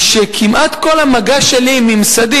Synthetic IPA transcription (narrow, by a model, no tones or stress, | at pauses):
ʃekʰimʔat̪ko̞lamaɡaʃelimimsad̪i